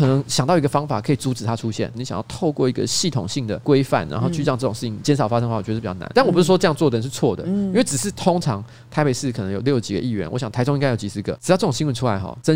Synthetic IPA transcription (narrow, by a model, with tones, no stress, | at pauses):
ɤ˨˩nə˧˦ŋɕjɑ˨ŋt̪ɑ˥˩ʊi˧ɡə˧fɑ˥ŋfa̰˨˩kʰɤ˧˥i˨˩t͡su˧˥ʈ͡ʂɻ̩˨˩t̪ʰa˥ʈ͡ʂʰu˦˥ɕjɛ̰˥˩nni˧˥ɕjɑ̰˨ŋjɑ˥˧ʊt̪ʰo˥˧ʊkwɔ˥˩i˧˥ɡə̰˧ɕi˥˩t̪ʰʊ̰˨˩ŋɕi˥˩ŋd̪ə˩kwe˥ɪfa̰˥˩nɻa̰˧˥nxo˥˧ʊt͡ɕʰy˥˧ɑ˥˧ŋʈ͡ʂɤ˥˩ʈ͡ʂʊ˨˩ŋʂ̩˥˩t͡ɕʰi˧˥˩t͡ɕjɛ˥nʂɑ˨˩ʊfa˥ʂə˥ŋxww̩˨˩˨t͡ɕɑ˥˩n̰˧˦t̪nwpʂɻ̩˥˩wɔ˥ʈ͡ʂɤ˥˧jɑ˥˧ŋt͡swɔ˥˩d̪ə˨˩˨ʂ̩˥˧t͡sʰwɔ˥˩d̪ə̰˩i˥nwʈ͡ʂɻ̩˨˩ʂɻ̩˥˩t̪ʰʊ˥ŋʈ͡ʂʰɑ˧˥ŋ | t̪ʰa˧ɪpe˨˩ɪʂɻ̩˥˩kʰnɤ˧˥ŋjo˨˩ljo˥˩ʊ˧t͡ɕi˨ɡə̰˧i˥˩ɥɛ̰˧˥nwɔ̰˧˦ɕjɑ˨ŋt̪ʰa˧˥ɪʈ͡ʂʊ˥ŋi˥ŋɡa˥ɪjʊt͡ɕi˧˩sɹ̩˧ɡə̰˨ʈ͡ʂɻ̩˨˩jʊʈ͡ʂɤ˥˩ʈ͡ʂŋ˩ɕi˥wə˧˩ʈ͡ʂʰu˥la˧˦ɪxɔ̰˨˩ʈ͡ʂə˥